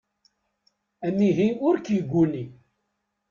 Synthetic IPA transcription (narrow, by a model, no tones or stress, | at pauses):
æmiɦiʊɾkjiɡʷːuni